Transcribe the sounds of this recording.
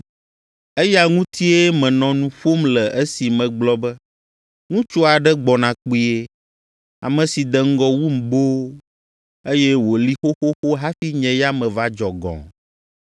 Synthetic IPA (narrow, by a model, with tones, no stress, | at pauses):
e˦ja˦ŋũ˦t̪ʰi˦e˦mɛ̃˨nɔ̃˨nũ˨ɸo˦mlɛ˨ʔe˦si˨mɛ̃˨ɡ͡blɔ˦bɛ˦ | ŋũ˦t͡ʃo˦a˨ɖɛ˦ɡ͡bɔ˨nã˨k͡pi˦e˦ | a̰˨mɛ̃˨si˨d̪ɛ˨ŋ̩˦ɡɔ˦wu˦m̩˨bo˦ | e˦jɛ˦wo˨li˦xo˦xo˦xo˦ɦa˦fi˦ɲɛ̃˨ja˦mɛ̃˨va˦d͡ʒɔ˨ɡɔ̰̃˨